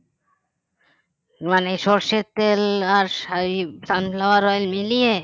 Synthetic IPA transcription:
manejʃɔɾʃet̪ːelaɾsaɾisamlawaɾɔelmilie

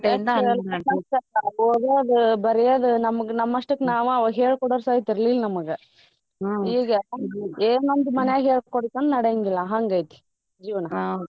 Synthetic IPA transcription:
ʈind̪ɐlɐɐsɐaoːɡ̪eɐd̪ubɐɾɛjɐd̪unɐmɐɡenɐmːɐʂʈɐkːnaːʋuɐʋɦeːɭkɔɽoːɾsaːjit̪iɾɐlilnɐmɐɡe | iːɡɐeːnond̪umɐnɛjaɦeːɭkɔɽit̪ɐnnɐɽejɐŋɡilːɐɦaŋɡɐjt̪i̥ | d͡ʒiːʋɐnɐ

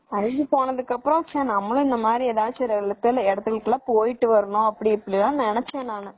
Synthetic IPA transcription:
ɐɾɪɡɯpoːnɐðɯkːɐpːɾõɐkt͡ʃãːnɐmːɐlʊ̃ɪnd̪ɐmaːd̪ɾieðaːt͡ʃːɐɾɐɭɯt̪ːɐlɛɽɐt̪ːɯɣɐɭɯkːɯlaːpoːjɪʈːɯʋɐɾɐɳʊ̃ɐpːɐɽiɛpːɐɽilãːnɛnɛt͡ʃːeːnaːnɐ

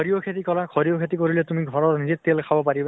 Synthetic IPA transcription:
ɹiokʰetikɔlakʰɔɹiokʰet̬ikoɹilɛtumiɡʱɔɹɔɹnizetelkʰabɔpaɹiba

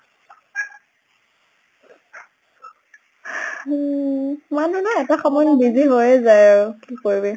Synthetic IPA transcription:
manunaɛtaxɔmɔjnbiziɦojɛzajokikoɹibɛ

